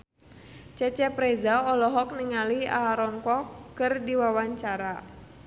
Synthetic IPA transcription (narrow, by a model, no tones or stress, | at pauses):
t͡ʃɛt͡ʃɛpɾɛzaɔlɔɦɔk̚niŋalia̰ɾɔŋkɔkːɨrdiwawaɲt͡ʃaɾa